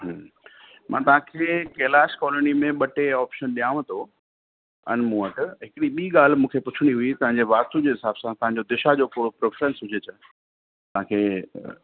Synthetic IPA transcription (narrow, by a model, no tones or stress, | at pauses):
ɦ | mʔãːt̪ɐʋ̤ɦãkʰeːkeːlaːʃkɔːlənimẽɓɐʈeɔːpʃənɗijaːʋ̃ə̃t̪ʰo | ə̰nmũːəʈɦɪkɪɽiɓiːɠaːl̤mũːkʰepʊt͡ɕʰɪɽ̃iɦʊit̪ɐʋ̤ãɲd͡ʑeʋaːst̪ud͡ʑeːɦɪsaːb̥sãt̪ɐɦãɲ̆d͡ʑod̪ɪʃad͡ʑoːkʊɽopɾeːfɾə̃nsɦʊd͡ʑʱet͡ɕə | t̪ɐʋ̤ɦãkʰeː